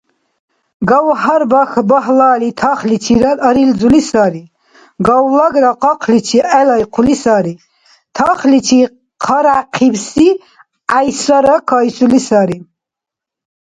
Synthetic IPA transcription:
ɡawɦaɾbaxbaɦlaːlit̪ʰaχlit͡ʃʰiɾaəɾild͡zulisaːɾi | ɡawlaɡɾaqɑqʰlit͡ʃʰiʔɛlajqʰulisaɾi | t̪ʰaχlit͡ʃʰi | qʰaɾaqʰibsi | ajsaɾakʰajsulisaɾi

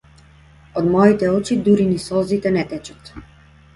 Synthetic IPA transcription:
ɔd̪mɔit̪ɛɔt͡ʃid̪uɾinisɔzit̪ɛnɛt̪ɛt͡ʃɔt̪

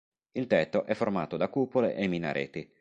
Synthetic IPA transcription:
ilt̪ɛt̪ːoʔɛfːormaːt̪od̪akupolḛʔemina̰ɾʔḛt̪i

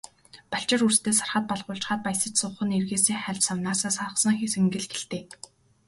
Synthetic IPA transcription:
paɬt͡ɕɪ̆rurst̪ʰeːsarχə̆t̪̚pɔɮʁʊːɬt͡ɕχaːt̪̚pajsə̆t͡ɕsʊːχə̆nerɣeːseːχæɮʲsawnaːsaːsăχsɞ̆ŋxiseŋɡɘ̆ɮxeɬt̪eː

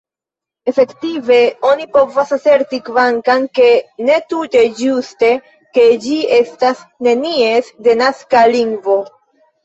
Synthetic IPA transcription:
e̞fe̞ktive̞o̞nipo̞vosase̞ɾtikvaŋkanke̞ne̞tute̞d͡ʒuste̞ | ke̞d͡ʒie̞stasne̞niesde̞naskaliŋɡvo̞

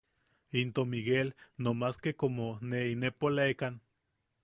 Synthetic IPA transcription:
int̪omiɣelnomaskekomoneinepolaekan

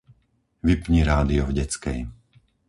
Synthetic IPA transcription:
ʋipɲiɾaːd̪iɔvɟɛt͡skɛ̰j

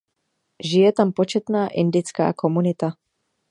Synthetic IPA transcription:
ʒɪjɛt̪ampo̞t͡ʃɛt̪naːʔɪndɪt͡ska̰ːko̞munɪt̪a

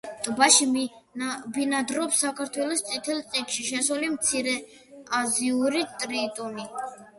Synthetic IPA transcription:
t̪ʼbaʃi | binad̪ɾɔpsakʰaɾt̪ʰwɛlɔst̪sʼit̪ʰɛlˠt̪sʼikʃiʃɛsulimt̪sʰiɾɛ | aziuɾit̪ʼɾit̪ʼuni

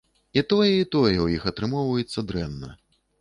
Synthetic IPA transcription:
it̪ɔjɛit̪ɔjɛwjixɐt̪ɾɨmɔwvɐjɛt̪sːɐd̪ɾɛnːɐ̰

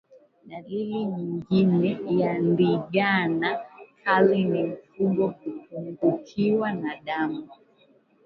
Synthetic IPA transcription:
ɗaliliɲiŋɡinɛjandiɠanakʰalinim̩fumɡɔkuk̚uŋɡukʰiwanaɗamu

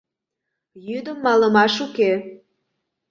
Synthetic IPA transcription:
jyd̪əmːɑləmɑʃuke

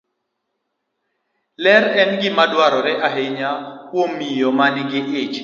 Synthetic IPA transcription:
lɛɾɛnɡɪmadwaɾɔɾɛʔaɦeɲahwomːijomanɪɡɪʔɪt͡ʃ

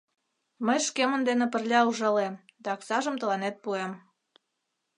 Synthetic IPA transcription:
məjʃkemə̆nd̪enĕpə̆rlʲɑuʒɑlemd̪ɑksɑʒə̆mt̪ə̆lɑnet̪̚puem

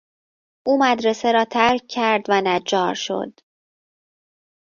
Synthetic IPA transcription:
ʔuːmæd̪ɾeseɾɒːt̪ʰæɾk̚cʰːæɾd̪vænæd͡ʒɒːɾʃo̞̰d̪̥

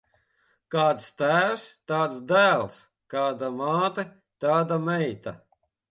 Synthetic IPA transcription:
kaːt̪st̪æːwst̪aːt̪sd̪æːlˠs | kaːd̪amaːt̪e | t̪aːd̪amɛjt̪a

